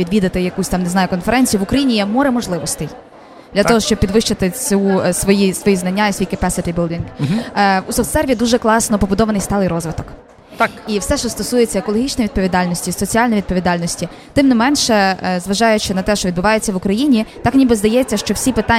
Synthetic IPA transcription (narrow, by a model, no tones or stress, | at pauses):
ʋʲid̪ʋʲid̪ɐt̪ɪjɐkusʲt̪ɑmneznɑjʊkɔnfɛɾɛnʲt͡sʲijʊʋʊkɾɐjinʲijɛmɔɾɛmɔʒlˠɪʋɔst̪ɪj | d̪lʲɐt̪ɔɦɔʃt͡ʃɔbpʲid̪ʋɪʃt͡ʃɪt̪ɪt͡sʲusʋɔjisʋɔjiznɐnʲːaisʋʲijkɐpɛsɪt̪ʲibɪlˠdʲiŋɡ | usɔft̪sɛrʋʲid̪uʒɛklˠɑsnɔpɔbʊd̪ɔʋɐnɪjst̪ɑlˠɪjɾɔzʋɪt̪ɔk | t̪iwsɛʃt͡ʃɔst̪ɔsujet͡sʲːɐekɔlˠɔɦʲit͡ʃnɔjiʋʲid̪pɔʋʲid̪ɑlʲnɔsʲtʲisɔt͡sʲialʲnɔjʋʲid̪̚pɔʋʲid̪ɑlʲnɔsʲtʲi | t̪ɪmnɪmɛnʃɛzʋɐʒɑjʊt͡ʃɪnɐt̪ɛʃt͡ʃɔʋʲid̪bʊʋɑjet͡sʲːɐʋʊkɾɐjinʲit̪ɑknʲibɪzd̪ɐjɛt͡sʲːɐʃt͡ʃɔwsʲipɪt̪ɑ